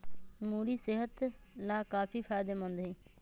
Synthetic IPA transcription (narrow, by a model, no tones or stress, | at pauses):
muːɽiːsɪɦət̪laːkaːpʰiːpʰaːɪd̪eːmə̃nd̪ɦĩː